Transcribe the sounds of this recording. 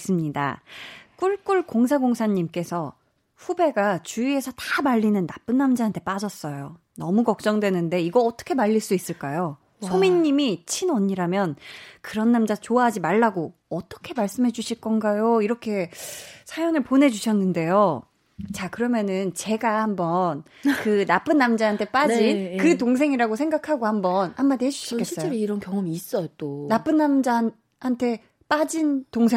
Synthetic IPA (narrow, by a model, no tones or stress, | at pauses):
s͈ɯmɲida̰k͈uɭk͈uɭkoŋsʰaɡoŋsʰaɲːimk͈e̞sʰʌ | ɸube̞ɡat͡ɕuie̞sʰʌtamaʎːinɯnːap͈ɯnːamd͡ʑaɦantʰe̞p͈ad͡ʑʌs͈ʌjo | nʌmukʌk̚t͡ɕ͈ʌŋdwe̞nɯnde̞iɡʌːt͈ʌ̥kʰe̞maʎːiɭs͈uis͈ɯɭk͈ajo | sʰomiɲːimit͡ɕʰinʌɲiɾamjʌnkɯɾʌnːamd͡ʑat͡ɕoaɦad͡ʑimaɭːaɡoʌt͈ʌ̥kʰe̞maɭs͈ɯmɦe̞d͡ʑuɕʰiɭk͈ʌnɡajoiɾʌkʰe̞sʰajʌnɯɭpone̞d͡ʑuɕʰʌnːɯnde̞jo | t͡ɕakɯɾʌmjʌnɯnt͡ɕe̞ɡahambʌn | kɯnap͈ɯnːamd͡ʑaɦantʰe̞p͈ad͡ʑinkɯtoŋs̬ʰe̞ŋiɾaɡosʰe̞ŋɡakʰaɡohambʌnhamːaded͡ʑu̥ɕikʰeɕʰis͈ʌt͡ɕeoɾoiɾʌnkjʌŋʌmiːs͈ʌjot͈onap͈ɯnːamd͡ʑa | hantʰe̞ | p͈ad͡ʑintoŋsʰe